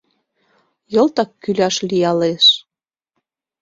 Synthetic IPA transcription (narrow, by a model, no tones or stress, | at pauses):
jɤ̆lt̪ɑkːylʲɑʃlijɑleʃ